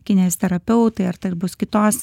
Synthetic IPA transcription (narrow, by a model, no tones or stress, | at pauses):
kʲɪnʲeːst̪ʲɛɾɐpʲɛʊt̪ɐɪɐɾt̪ɐɪɾbʊskʲɪt̪oːs